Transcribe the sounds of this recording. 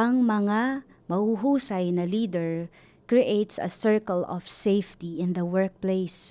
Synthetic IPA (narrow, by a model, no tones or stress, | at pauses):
ɐŋmɐŋa | mɐhuɦusajnɐlid̪ɛɹ | kɹiʔejt̪sɐ̰sɛɹkɔlɔ̰fsejft̪iɪ̃nd̪ɐwɛɹk̚plejs